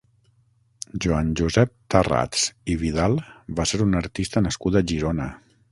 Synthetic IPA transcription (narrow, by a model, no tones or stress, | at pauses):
ʒuanʒuzɛp̚t̪əra̰t͡siβiðalˠβaseɾunəɾt̪ist̪ənəskud̪əʒiɾonə